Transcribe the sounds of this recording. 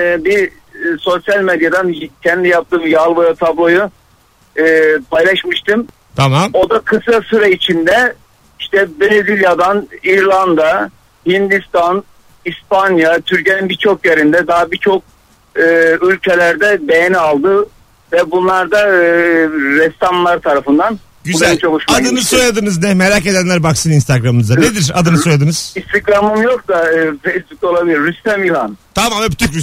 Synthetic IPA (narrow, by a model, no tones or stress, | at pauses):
bi | so̞sjalʲmed̪jad̪ancʰɛnd̪ijap̚t̪ʰɯːmjalˠvojat̪ʰablˠo̞ju | ɯːpʰajlˠaʃmɯʃt̪ʰɯm | t̪ʰao̞d̪akʰɯsɾasyɾait͡ʃʰind̪ɛ | iʃt̪ɛbeɾezilʲjad̪aniɾlˠand̪a | hind̪ist̪an | ispanjat̪ʰyɾceninbit͡ʃʰo̞kjeɾind̪ɛd̪aɦabit͡ʃʰo̞k̚ | ɯːylʲcʰelʲæɾd̪ɛbejenialˠd̪ɯ | vɛbunlˠaɾd̪a | ɾɛst̪amlˠaɾt̪ʰaɾafɯnd̪an | ɟyuzælʲt͡ʃʰalˠuʃmad̪ɯnɯsojad̪ɯnɯznɛmeɾace̞d̪ænlʲæɾbaksɯninst̪ʰaɡɾamɯnɯzd̪anned̪iɾa̰d̪ɯnɯso̞jad̪ɯnɯz̥ist̪ʰikɾamɯmjok̚d̪afejsbuk̚t̪o̞lˠabilʲiɾːyst̪æmilˠant̪ʰamamɛbyt̪ʰycɾy